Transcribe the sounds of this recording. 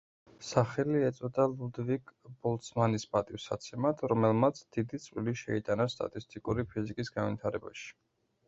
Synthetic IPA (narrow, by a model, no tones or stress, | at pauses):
saχɛliɛt̪sʼɔd̪alˠud̪vikʼbɔlˠt̪smanispʼat̪ʼifsa̰t̪sʰɛmat̪ʰɾɔmɛlˠmat̪sʰd̪̥id̪it̪sʼvliliʃɛit̪ʼanast̪ʼa̰t̪ʼist̪ʼikʼuɾipʰizikʼisɡanvit̪ʰaɾɛba̰ʃi̥